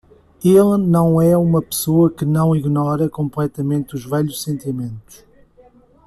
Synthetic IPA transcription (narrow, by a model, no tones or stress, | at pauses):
elˠnɐ̃w̃ɛumɐpɨ̥soɐkɨnɐ̃w̃iɣnɔɾɐkõmplˠɛt̪ɐmẽnt̪uʒvɛʎuʃsẽnt̪imẽnt̪u̥ʃ